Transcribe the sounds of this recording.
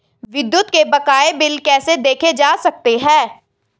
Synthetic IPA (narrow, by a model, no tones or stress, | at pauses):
ʋɪd̪jʊt̪kebɐkaːebɪlkɛːsed̪eːkʰed͡ʒaːsɐk̚t̪eɦɛ̃ː